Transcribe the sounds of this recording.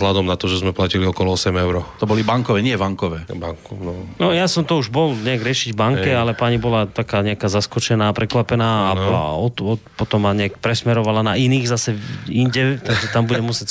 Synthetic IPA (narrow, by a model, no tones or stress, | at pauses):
ɦlad̪ɔmnat̪ɔʒɛzmɛplaciliɔkɔlɔɔsɛmɛʊɾɔt̪ɔbɔlibaŋkɔʋɛɲɪɛvaŋkɔʋɛːbaŋkunɔnɔjasɔmt̪ɔuʒbɔlɲɛaɡɾɪɛʃiɟvbaŋkɛalɛpaɲibɔlat̪akaːɲɛakaːzaskɔt͡ʃɛnaːpɾɛkʋapɛnaːa̰ɔɔpɔt̪ɔmaɲɛakpɾɛsmɛɾɔʋalanainiːɣzasɛinɟɛt̪aɡʒɛt̪ambuɟɛmusɪɛc